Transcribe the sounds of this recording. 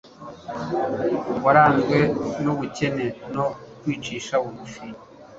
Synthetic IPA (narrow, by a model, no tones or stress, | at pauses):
waɾaːnzɡwe̞nuβuce̞ne̞nokwiːt͡ʃiːʃaβumufiɲ